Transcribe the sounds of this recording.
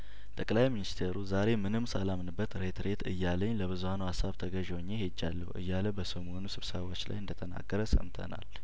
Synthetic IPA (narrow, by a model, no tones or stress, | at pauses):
t̪ʼəkʼlajminist̪ʰeɾuzaɾe̞mɨnɨmsəlamnɨbːət̪ɾe̞t̪ʰɾe̞t̪ʰɨjːaləɲːləβɨzuhanəwhasaβt̪ʰəɡəʒwɲːehed͡ʒːalːəhʔɨ̰jːaləbəsəmo̞nusɨβsəβot͡ʃːla̰jɨnd̪ət̪ʰəna̰ɡəɾəsə̰mt̪ʰə̰na̰l